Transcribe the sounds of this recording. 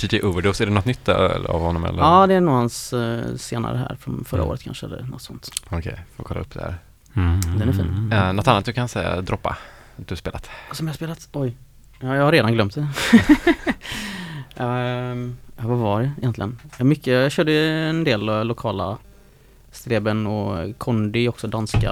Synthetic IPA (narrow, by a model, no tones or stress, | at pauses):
t̪ʰid̪ɪʔuvəɖɔsæɖɛnɔt̪nʏt̪ʰːœla̰vhɔnːɔmɛ̰lːəɑːd̪ɛænuːhansː | eːna̰ɾəɦæ̰ːɾfɾɔ̰mfœɾʔa̰ʔo̰ːɾət̪kʰa̰nʂəɛlːə̰ɾnɔ̰t̪sɔnt̪ɔkʰɛ̰jfoɾkʰɔlːaɵpːd̪ɛæ̰ɾ | d̪ɛnæɾfḭːnnɔt̪ːanːt̪d̪ɵkʰansɛja̰d̪ɾɔpːa̰ | at̪d̪ʉhaspeːlat̪sɔmjahaspeːlat̪ɔj | jɑjɑhaɾːeːd̪anɡlœmt̪̚d̪ɛ | avavaɖɛɪjɛnt̪lɪɡənmʏkʰːəjjɑɕøːɖəɛnd̪eːlːʊkʰɑːla̰ | st̪ɾeːbənɔkʰɔnd̪ɪɔksɔd̪anska̰